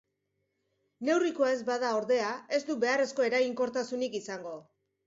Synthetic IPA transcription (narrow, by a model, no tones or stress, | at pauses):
ne̞wrikoae̞zbaðao̞ɾðe̞ae̞zd̪ube̞are̞sko̞e̞ɾaiŋko̞ɾt̪asunikisaŋɡo̞